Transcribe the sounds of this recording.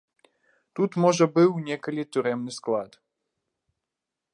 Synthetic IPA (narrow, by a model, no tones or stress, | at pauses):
t̪ut̪mɔʐɐbɨwnʲɛkɐlʲit̪ʲuɾɛmnɨsklˠat̪